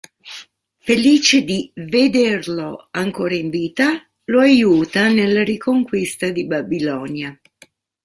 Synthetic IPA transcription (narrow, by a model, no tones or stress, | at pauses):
feliːt͡ʃed̪ived̪erloaŋkoːɾaiɱviːt̪a | loajuːt̪anelːaɾikoŋkwist̪ad̪ibabilɔːnja